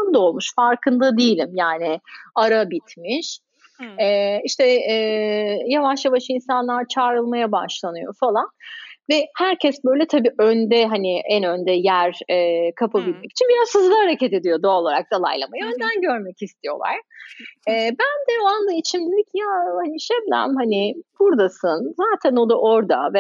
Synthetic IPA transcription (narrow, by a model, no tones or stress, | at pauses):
nd̪o̞lˠmuʃfaɾkʰɯnd̪ad̪ijilʲimjaːnɪaɾabit̪miʃ | ɛiʃt̪ʰɛ | javaʃjavaʃɯinsanlˠaɾt͡ʃʰaːɾɯlˠmajaba̰ʃlˠanɯjo̞̰falˠanvɛhæɾcʰɛsbø̞jlʲɛt̪ʰabiːʔønd̪ɛɦanɪʔɛnø̞nd̪ɛjæɾɛːkʰapʰabilʲmɛci̥t͡ʃʰinbiɾazhɯzlˠahaɾacʰet̪e̞d̪ijo̞d̪oolˠaɾa̰k̚d̪alˠa̰jlˠa̰majaø̞nd̪ænɟø̞ɾmɛcist̪ʰijo̞̰lˠa̰ɾ̥ | ɛːbænd̪ɛoand̪ˠait͡ʃʰimd̪ed̪ʲicʰjaːhaniʃɛblʲæ̰mhanɪb̥uɾd̪asɯnzaːt̪ʰæno̞d̪aʔo̞ɾd̪a̰vɛ